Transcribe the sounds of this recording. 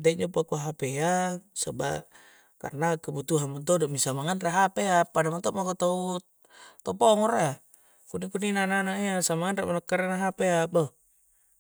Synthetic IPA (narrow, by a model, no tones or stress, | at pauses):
d̪eʔd͡ʒopakaɦapeasaba̰ | ka̰rnakəbut̪uɦanmant̪̬odɔʔmisamaŋanraɦapeapːadamant̪ɔʔmakot̪au | t̪ɔpɔŋɔrea | kunikuninananaiasamaŋanraʔmanakːaɾenaɦapeaba